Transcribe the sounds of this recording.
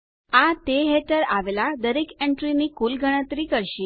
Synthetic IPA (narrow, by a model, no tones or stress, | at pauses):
at̪eɦeʈəɾaʋelad̪əɾekeɳʈɾinikulɡʱəɽ̃ət̪ɾikəɾʃi